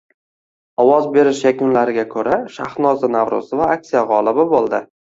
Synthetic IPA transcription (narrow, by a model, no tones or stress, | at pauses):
ɒwɒzbe̞ɾɪʃjakʲʊnlaɾɪɡʲakʰɵɾaʃa̰χnɒzɪnavɾʊ̰zɪvaak̚t̪sijaʁɒlˠɪbɪbolˠd̪ɪ